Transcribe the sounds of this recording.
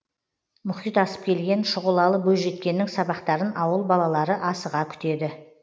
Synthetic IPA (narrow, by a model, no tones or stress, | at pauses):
mʊχijt̪ɑsə̥p̚kʲʰe̞lɡʲe̞nʃʊʁəlˠɑlˠəbɵzʒe̞t̪kʲe̞nːɪŋsɑbɑqt̪ɑɾənʔɑwəlˠbɑlˠɑlˠɑɾəʔɑsəʁɑkʲʰʏ̥t̪e̞d̪ɪ